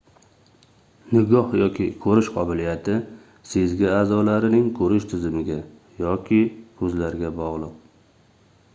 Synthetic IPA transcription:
nɪɡɒhjɒkʲʰɪkʰɵɾɪʃqʰɒbɪlijat̪ʰɪ | sezɡʲɪaːzɒlaɾɪnɪŋkʰɵɾɪʃt̪ʰɪzɪmɪɡʲa | jɒkʲʰɪkʰɵzlaɾɡʲabɒʁlˠɨq̚

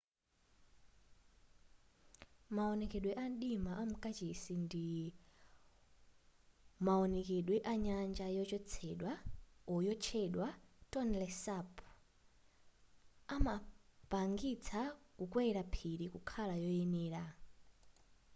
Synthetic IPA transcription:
maɔnɛkɛɗwɛʔanɗimaʔamukʼat͡ʃesindi | maɔnɛkɛɗwɛʔaɲand͡ʒajɔt͡ʃɔt͡sʰɛɗwaɔjɔt͡ʃʰɛɗwatɔnlɛsapʰ | amapaŋɡit͡sʰakukwɛɾapʰiɾikukʰalajɔjɛnɛːɾa

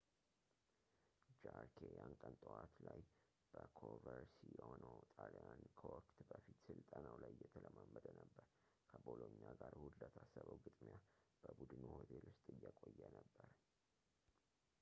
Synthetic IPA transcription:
d͡ʒaɾkʰejaŋkʼənt̪ʼowat̪laj | b̥əkʰovəɾsijɛhonəwt̪ʼalejankʰəwɔkt̪bəfit̪sɨlt̪ʼanawlajjɛt̪ʰələməmːəd̪ənəbːəɾ | kʰəboloɲːaɡaɾhuld̪ət̪ʰasːəβəwɡɨt̪ʼmijab̥əbud̪ɨnuho̞t̪ʰelwʊst̪ʼɨjːəkʼojːənəbːəɾ

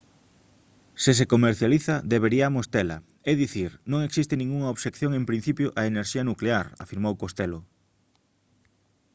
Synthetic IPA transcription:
ses̬ekomeɾθjaliθɐðeβeɾiamost̪ela̰ | eðiθiɾnõŋeksist̪enĩŋɡuŋɐoβsekθjõŋempɾin̟θipjʊʔaeneɾʃiɐnukleaɾa̰fiɾmowkost̪elo

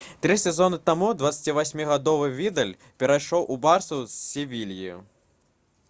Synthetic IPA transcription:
t̪ɾisʲɛzɔnɨt̪amud̪vat̪sːɐ̥t͡sʲivasʲmʲiɣad̪ɔvɨvʲid̪ɐlʲ | pʲɛɾajʂɔwʔubarsɐwsːʲivʲilʲjḭjṵ

